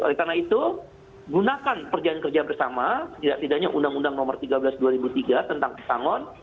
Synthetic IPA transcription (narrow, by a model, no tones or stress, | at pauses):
o̰lɛt̪arnait̪u | ɡunakanpərd͡ʒaankərd͡ʒabərsamasə̥k̪idak̚t̪idaɲaʔundaŋundaŋnɔmərt̪iɡabəlasduaɾibut̪iɡat̪ənt̪aŋpət̪aŋɔn